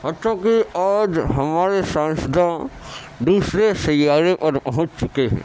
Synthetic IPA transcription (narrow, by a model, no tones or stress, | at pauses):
ɔt͡ʃakiaːd͡ʒɦɐmaːɾesãːsəd̪ʱã | d̪uːsɾesɐjaːɾepɐɾpɐɦʊ̃t͡ʃt͡ʃʊkeɦɛ̰̃ː